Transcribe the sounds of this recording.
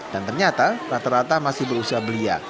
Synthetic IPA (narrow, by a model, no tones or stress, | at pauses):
d̥ant̪ərɲat̪arat̪aɾat̪amasɪhbəɾusiɦabəlia̰